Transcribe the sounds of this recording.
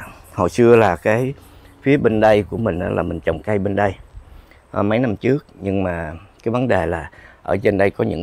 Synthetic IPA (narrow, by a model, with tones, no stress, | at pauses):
ho̰˨˩jsɨ˧əlaː˨˩kaː˨˦j | fi˨˦əɓe˧nɗə˧jku˧˩əmï˨˩ŋ̟ʔa̰ː˨˧˦la̰ː˨˩mï˨˩ŋ̟t͡ɕə˨˩wŋ͡mka˧jɓe˧nɗə˧j | ʔmə˨˦jna˧mt͡ɕɨ˦˥ək̚ɲɨ˧ŋmaː˨˩kaː˨˦jvə˨˦nɗe˨˩laː˨˩ʔəː˧˩t͡ɕe˧nɗə˧jkɔ˨˦ɲɨ̰˧˥ŋ